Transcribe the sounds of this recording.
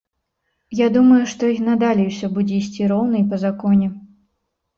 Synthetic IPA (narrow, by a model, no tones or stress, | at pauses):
jad̪umɐjuʂt̪ɔnad̪alʲiwsʲɔbud͡zʲɛisʲt͡sʲiɾɔwnɐipɐzakɔnʲɛ